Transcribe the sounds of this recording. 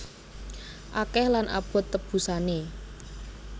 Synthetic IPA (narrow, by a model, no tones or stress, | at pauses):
ʔakɛhlanʔa̰b̥ɔ̤t̪ːəb̥ṳsane